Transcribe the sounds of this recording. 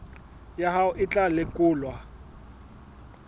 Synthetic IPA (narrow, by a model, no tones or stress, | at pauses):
jaɦaʊʔɪt͡ɬʼalɪkʼʊːlwa